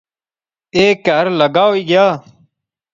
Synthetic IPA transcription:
eːkəɾləɡaːoiːɡjaː

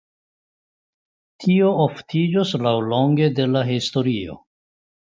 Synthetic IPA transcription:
tʰio̞oftʰid͡ʒoslawlo̞ŋɡe̞de̞laɦisto̞ɾio̞̰

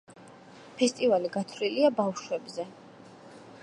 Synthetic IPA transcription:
pʰɛst̪ʼivaliɡat̪ʰvɾiliabafʃwɛbzɛ

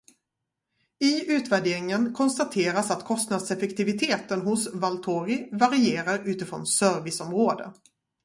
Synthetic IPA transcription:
ɪʉ̟ːt̪væɖeːɾɪŋənkʰɔnst̪at̪ʰeːɾasat̪kʰɔst̪nad̪sɛfɛkt̪ɪvɪt̪ʰeːt̪ənɦʊsvalt̪ʰoːɾɪvaɾɪeːɾaɾʉ̟ːt̪ɪfɾɔ̰nsœːɾvɪsɔmɾoːd̪ə̰

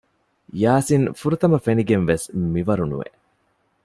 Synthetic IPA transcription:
jaːsinfuɾut̪ɐmɐfeniɡenʋesmiʋɐɾunṵʋḛʔ

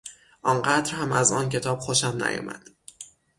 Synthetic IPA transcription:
ʔɒːnɢæt̪ɾhæmæzɒːncʰe̞t̪ʰɒːb̥xoʃæmnæ̰jɒ̰ːmæ̰d̪̥

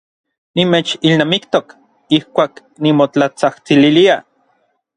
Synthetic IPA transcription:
nimeːt͡ʃilnaːmikt̪ok | ihkʷaːk | nimot͡ɬat͡saht͡sililia

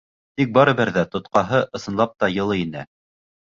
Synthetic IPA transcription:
t̪ik̚bɑɾɤ̆βɘɾðæt̪ŏt̪qɑɦɤʔɤ̆sɤ̆nlˠɑp̚t̪ɑjɤ̆lˠɤinɘ̰

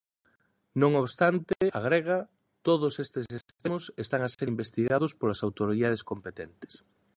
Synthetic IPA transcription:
nõŋoβst̪ant̪ɪaɣ̞ɾeɣɐ | t̪oð̞ʊsest̪esest̪emʊsest̪aŋaseɾimbest̪iɣaðʊspolasawt̪oɾiðað̞eskompet̪ent̪ɪ̥s

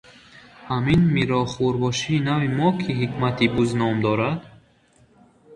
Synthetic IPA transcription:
haminmiɾɔχuɾbɔʃiːnavimɔkʰiɦikmat̪ʰibuznɔmd̪ɔɾad̪̥

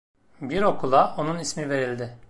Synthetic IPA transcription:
biɾo̞kʰulˠao̞nunismive̞ɾilʲd̪ɪ

